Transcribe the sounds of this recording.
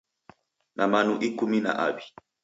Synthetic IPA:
nʔamanuʔikumina̰ʔa̰ɓi

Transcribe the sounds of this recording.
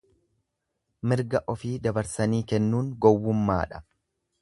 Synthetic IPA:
mɪɾɡɐʔɔfiːd̪ɐbɐɾsɐniːkɛnːuːŋɡɔwːʊmːa̰ːᶑɐ̥

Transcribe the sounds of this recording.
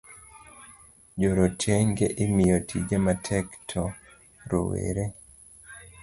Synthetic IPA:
d͡ʒoɾotʰɛŋɡeʔimijotʰḭd͡ʒamatʰɛktʰɔ | ɾo̰wḛɾe

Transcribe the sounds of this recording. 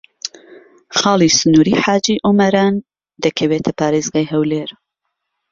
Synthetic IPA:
xɑːlˠisʊnuːɾiːħaːd͡ʒiʔʊmɐɾaːn | d̪ɐkʰɐweːt̪ʰɐpaːɾeːzɡaːjɦɐwleːɾ

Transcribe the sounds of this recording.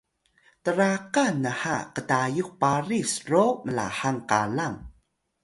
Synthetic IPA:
təɾaqanːəħa̰qətajuk̚paɾisroməla̰ħaŋka̰laŋ

